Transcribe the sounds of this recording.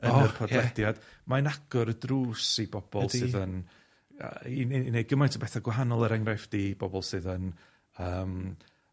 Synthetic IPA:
əərpʰɔdlɛdjad̥maənaɡ̥ɔɾədruːsibɔb̥ɔlˠɨðən̰ː | innej̚ɡəmajntʰəbɛθaɡwaɦanɔlˠəɾɛŋrajfd̥iːb̥ɔbɔlˠsɨːðən | əːm

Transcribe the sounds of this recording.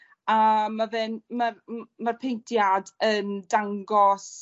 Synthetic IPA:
amavɪnmarmarpʰejntʰjadəndaŋɡɔs

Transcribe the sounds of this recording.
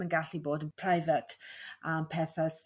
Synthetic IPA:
ənɡaɬiboːdənpʰr̥ajvətʰampʰɛθas

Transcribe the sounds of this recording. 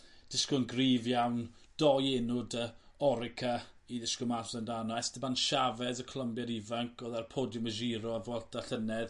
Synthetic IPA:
d̥ɪskɔnɡriːvjawnd̥ɔjenʊdə | ɔɾɪkʰaiðɪskɔmaslɛndanɔɛstəbanʃavɛðəkʰlˠəmbjɛɾivaŋkʰɔðarpʰɔdjɔməʒiɾɔvɔlˠtaɬənɛð

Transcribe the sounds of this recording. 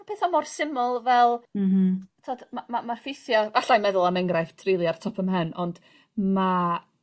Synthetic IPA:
pʰeːθɔmɔrsɪmʊlˠvɛl̩ˠ | tʰoɔdmamamarfɪsjɔvaɬajmɛðʊlˠamɛŋɡɾaftʰrilˠiartʰɔpʰəmɦənɔnd̥ | ma

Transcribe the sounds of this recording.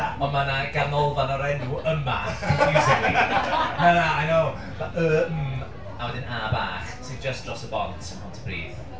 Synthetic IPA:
ɔnmanaɡ̥arnɔlˠvanɔɾɛnuʔəma̰ejsɪklimanaajnow | aʔəːm̩ | awɛdɪnaba̰ːχsɨnd͡ʒəsd̥rɔsəbɔ̰ntʰənhɔntʰəb̥rḭːð

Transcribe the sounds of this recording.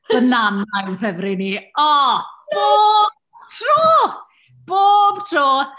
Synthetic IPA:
ənanajnpʰɛvɾɪniɔb̥ob | tʰr̥uː | b̥oːb̥tʰroː

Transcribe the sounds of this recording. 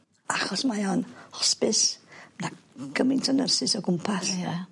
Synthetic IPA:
aχɔsmajanhɔspɪsmnaɡ̥əmɪntʰənərsɪsɔɡʊmpʰasjɛ

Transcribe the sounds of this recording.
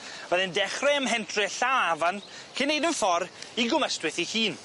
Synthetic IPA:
vɛðɪndɛχrɛəmɦɛntʰrɪɬawavan | kʰɪnːejdənfɔɾiɡʊməstwɪθihiːn

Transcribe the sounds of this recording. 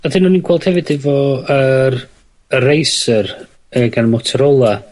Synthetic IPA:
adɪnɔninɡ̥wɛlˠd̥hɛvɨdɪvɔər | ərejsər | əɡanmɔtʰɛɾɔlˠa

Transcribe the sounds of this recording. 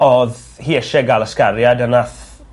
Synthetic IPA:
ɔð | hiːəʃɛɡalˠəskaɾjadənaθ

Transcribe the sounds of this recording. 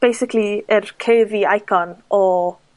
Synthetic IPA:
b̥ejsɪkʰliərkʰeɨviajkʰɔnɔ

